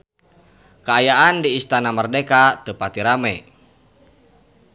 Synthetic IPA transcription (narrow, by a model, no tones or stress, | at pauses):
kəajaʔandiːst̪anamərdɛkat̪əpat̪iɾamɛ